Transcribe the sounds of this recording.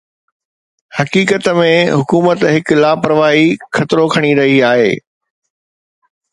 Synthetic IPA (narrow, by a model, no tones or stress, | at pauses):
hɐkiːkət̪mẽɦʊkuːmət̪ɦɪklaːpɐɾəʋaːɦixʰɐt̪ɪɾokʰɐɽ̃iɾɐɦiaːɦḛː